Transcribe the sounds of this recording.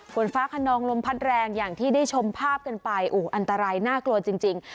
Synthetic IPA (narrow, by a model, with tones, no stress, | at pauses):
kʰo˩˦nfaː˦˥kʰa˧nɔː˧ŋlo˧mpʰa˦˥t̪̚ɾɛː˧ŋjaː˨˩ŋt̪ʰiː˥˩daː˥˩jt͡ɕʰo˧mpʰaː˥˩p̚ka˧npa˧jʔoː˧˩ʔa˧nt̪a˧ɾaː˧jnaː˥˩klu˧ɐt͡ɕi˧ŋt͡ɕi˧ŋ